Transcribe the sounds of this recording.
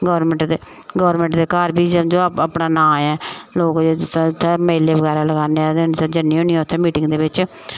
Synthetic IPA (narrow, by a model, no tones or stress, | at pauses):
ɡɔːɾmɛ̃ɳʈd̪e | ɡɔːɾmẽːɳʈd̪eːkaːɾbiːd͡ʒd͡ʒoːapnaːnãːɛːloːkd͡ʒt̪ʰːɛ̃ːmeːleːʋəɡɛːɾaːləɡaːneɛːd̪nsad͡ʒənːĩːõːniːɛːʊt̪ʰːɛ̃ːmiːʈɪŋɡd̪eːbɪt͡ʃ